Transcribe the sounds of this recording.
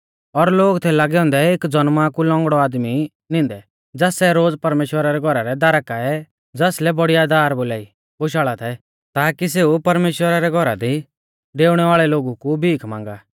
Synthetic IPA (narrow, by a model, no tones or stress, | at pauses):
ɔɾloːɡt̪ʰɛlaːɡɛɔ̃ːnd̪ɛeːkd͡zɔnmakulɔ̃ŋɡɽɔaːd̪mi | nɪ̃ːnd̪ɛ | d͡zɛːsɛɾoːd͡zpɐɾmeːʃwəɾaɾɛɡʱɔɾaɾɛd̪aːɾəkaɛ | d͡zɛslɛbɔɽijad̪aːɾboːlaːi | boʃ̬aːɭat̪ʰɛ | t̪aːkis̬eːupɐɾmeːʃwəɾaɾɛɡʱɔɾad̪i | ɖeːʊɽ̃ɛʋaːɭɛloːɡukubʱiːkʰmã̰ːŋɡaː